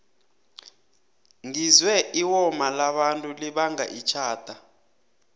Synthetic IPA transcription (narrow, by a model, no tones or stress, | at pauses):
ŋizwɛʔiwɔmalaɓantʼuliɓaŋa̰ʔit͡ʃʰaːd̥ʱa